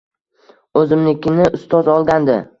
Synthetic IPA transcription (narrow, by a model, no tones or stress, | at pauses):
ɵzɪmlɪkʲʰɪnɪʔʊst̪ʰɒzɒlˠɡʲand̪ɪ̰